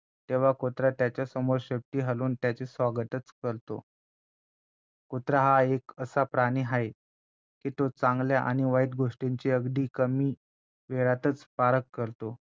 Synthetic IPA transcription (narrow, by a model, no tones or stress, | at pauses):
t̪eʋ̤akot̪ɾat̪jat͡ɕjasəmoɾɕep̚ʈiːɦaluːnt̪jat͡ɕesʋaɡət̪ət͡skəɾt̪o̰ | kot̪ɾaɦaekəsapɾaɽ̃iːɦaj | kiːt̪ot͡saŋɡljaʔa̰ɽ̃iʋaid̪̚ɡoʂʈeɲt͡ɕiəɡd̪iːkəmiː | ʋeɭat̪ət͡spaɾəkːəɾt̪o